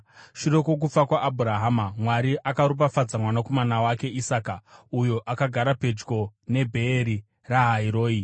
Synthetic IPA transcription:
ʃuɾe̞ko̞k̬ufakwaʔːbʱuɾaɦaːmamwaɾiʔakaɾup̬afad͡zamwanako̞manawake̞ʔisaːkaujo̞ʔakaɡʱaɾape̞d͡ʒɡo̞ne̞bʱe̞ːɾi | raɦaiɾo̞ːi

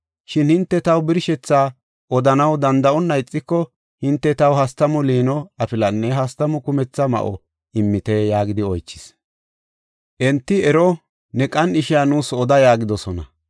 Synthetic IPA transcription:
ʃɪnhɪnt̪ːɛt̪ɐwbɪɾʃɛt͡sːaː | ʔɔd̪ɐnɐwd̪ɐnd̪ɐɔnːɐjɪt͡sʼːɪkːɔ | hɪnt̪ːɛt̪ɐwhɐst̪ɐmɔliːnɔɐpɪlɐnːɛɦɐst̪ɐmɔkʊmɛt͡sːɐmɐ̰ʔɔ̰ | ɪmːɪt̪eːjaːɡɪd̪ɪɔjt͡ʃːɪ̥s | ʔɛnt̪ːɪɛɾɔ | nɛkʼɐnɪʃɪjanuːsɔd̪ɐjaːɡɪd̪ɔsɔnɐ̰

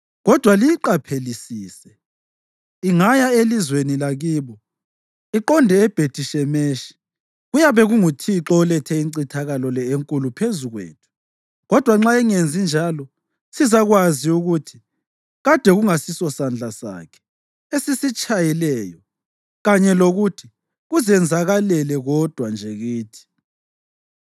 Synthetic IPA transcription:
ɣɔd̥ʱwalijiǃapʰelisiːsɛ | iŋajaelizwenilaɣiːβɔ | iǃɔndʱɛːb̥ʱed̥ʰʱiʃɛmeʃi̥ | ɣujaβɛɣuŋutʰiǁɔlɛtʰɛiǀitʰaɣalɔlɛeŋkʼulupʰezuɣwḛːtʰu̥ | ɣɔd̥ʱwaŋ͡ǁaɛŋend͡zʱind͡ʒʱalɔ | sizaɣwaziuɣutʰi̥ | ɣad̥ʱɛɣuŋasisɔsand͡ɮʱasa̰kʰɛ̥ | esisit͡ʃʼajilɛːjɔ | ɣaɲɛloɣutʰi | ɣuzɛnd͡zʱaɣalɛlɛɣɔd̥ʱwand͡ʒʱɛɣiːtʰi̥

